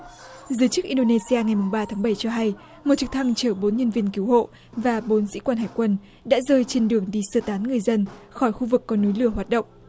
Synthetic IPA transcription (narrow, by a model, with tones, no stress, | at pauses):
zɨː˨˦jt͡ɕɨ˦˥k̚ʔi˧nɗo˧ne˧si˧aː˧ŋa˨˩jmu˨˩ŋ͡mɓaː˧t̪ʰaː˨˦ŋɓə˧˩jt͡ɕɔ˧ɦa˧j | mo˨˩t̚t͡ɕɨ˨˧˩k̚t̪ʰa˧ŋt͡ɕəː˧˩ɓo˨˦nɲə˧nvi˧ənki˨˦who̰˧˨ | vaː˨˩ɓo˨˦nzḭ˧˥kwaː˧nɦaː˧˨˩jkwə˧n | ɗa̰ː˧˥zəː˧jt͡ɕe˧nɗɨ˨˩əŋɗi˧˩səː˧˩t̪aː˨˦nŋɨ˨˩əjzə˧nxɔ˧˩jxu˧vɨ˨˩kːɔ˨˦nu˨˦jlɨ˧˩əɦwaː˨˩t̚ɗə̰˧˨wŋ͡mʔ